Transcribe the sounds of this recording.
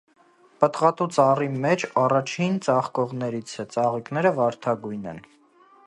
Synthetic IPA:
pət̪ʁɑt̪ut͡sɑrimɛt͡ʃʰɑrɑt͡ʃʰint͡sɑχkɔʁnɛɾit͡sʰɛt͡sɑʁiknɛɾəvɑɾt̪ʰɑɡujnɛ̰n

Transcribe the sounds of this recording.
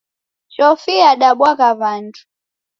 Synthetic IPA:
t͡ʃɔfiaɗaɓwakaβantʰu̥

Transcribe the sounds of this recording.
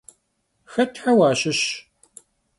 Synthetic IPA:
xɐtʰħawaːɕɪɕ

